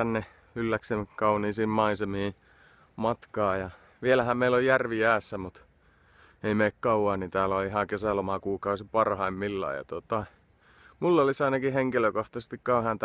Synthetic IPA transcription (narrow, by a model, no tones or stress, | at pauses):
ænːe | ylːæksemkɑuniːsiːmmɑisemiː | mɑt̪kɑːjɑ | ʋielæhæmmeilojjærʋiæːsːæmut̪ | eimeikkɑuwɑːnit̪æːloihɑkesælomɑkuːkɑusipɑrhɑimmilːɑ̰ːˑjɑ̰t̪ot̪ɑ | mulːolisɑinɑkiheŋkiløkoht̪ɑse̥st̪ikkɑuhɑnt̪